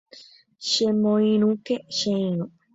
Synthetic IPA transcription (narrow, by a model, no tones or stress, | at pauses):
ʃemõĩɾ̃ũkeʃeĩɾũ